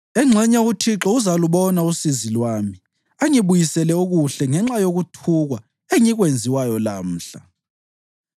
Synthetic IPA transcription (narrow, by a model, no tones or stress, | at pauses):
ɛŋ͡ǁʱɛɲautʰiǁɔuzaluβɔnausizilwaːmi | aŋiβujisɛlɛuɣuɬɛŋɛŋ͡ǁajoɣutʰuɣwa | eŋiɣwend͡zʱiwajɔla̰m̩ːɬa